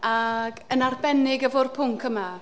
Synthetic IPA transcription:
aɡənarbɛnɪɡəvʊrpʰʊŋkʰəma

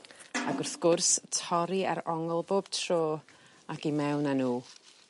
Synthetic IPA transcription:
aɡʊrθɡ̥ʊrstʰɔɾia̰ɾɔŋɔlˠboːb̥tʰroː | aɡimɛwnanuː

